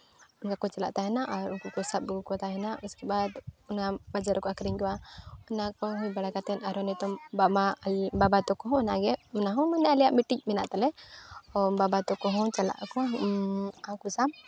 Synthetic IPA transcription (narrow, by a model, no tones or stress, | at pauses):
ʊnkakɔt͡ʃala̰ʔt̪aɦɛnaʔaɾunkukɔsab̚bukɔt̪aɦɛnaʔuskɛbad̪unabad͡ʒaɾkɔakɾɛɲɡɛwaɔnakɔɦũjbaɽakat̪ɛnaɾɔnɛt̪ɔbabababat̪ɔkɔɦɔ̃naɡɛʊnaɦɔ̃mɔnɛalijaʔmiʈic̚mɛna̰ʔt̪alɛɔbabat̪ɔkɔɦɔ̃t͡ʃala̰ʔkɔ | akusab